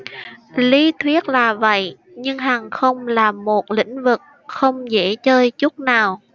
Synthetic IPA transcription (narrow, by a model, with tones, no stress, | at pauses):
li˧˦t̪ʰi˦˥ət̚laː˨˩və̰˧˨j | ɲɨ˧ŋɦaː˨˩ŋxə˧wŋ͡mlaː˨˩mo˨˩t̚lḭ̈˧˥ŋ̟vɨ˨˩k̚ | xə˧wŋ͡mzḛ˧˥t͡ɕəː˧jt͡ɕʊ˦˥k͡p̚naː˨˩w